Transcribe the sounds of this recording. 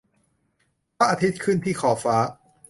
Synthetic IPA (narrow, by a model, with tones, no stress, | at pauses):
pa˦˥ʔa˧t̪ʰi˦˥t̪̚kʰɯ˥˩nt̪ʰiː˥˩kʰɔː˩˦faː˦˥